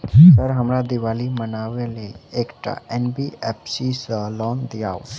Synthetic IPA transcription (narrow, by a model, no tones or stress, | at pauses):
səɾɦəmɾad̪ɪʋaːlimənaːʋeleeːkʈa̰ɛnbiɛpsisəlɔːnd̪iaːo